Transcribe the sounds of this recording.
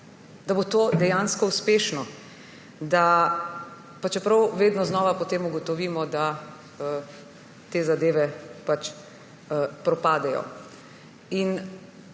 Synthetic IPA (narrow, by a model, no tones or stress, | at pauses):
d̪abot̪oːd̪ɛjanskɔuspeːʃnɔ | d̪a | pat͡ʃɛpɾɐwʋeːd̪nɔznɔːʋapɔt̪eːmuɡɔt̪ɔʋiːmɔd̪a | ə | t̪eːzad̪eːʋɛpat͡ʃː | pɾɔpaːd̪ɛjɔ̰ | in